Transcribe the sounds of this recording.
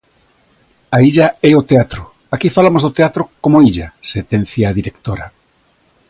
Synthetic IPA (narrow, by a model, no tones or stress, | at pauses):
aiʎɐɛot̪eat̪ɾʊ | akifalamozðot̪eat̪ɾokomoiʎɐset̪ɛn̟θjaðiɾekt̪oɾɐ